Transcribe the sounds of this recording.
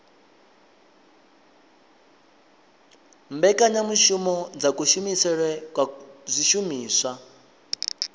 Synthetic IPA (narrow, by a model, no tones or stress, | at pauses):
mbɛkʼaɲamuʃumɔd͡zakuʃumisɛɺwɛkwazʷiʃumiːswa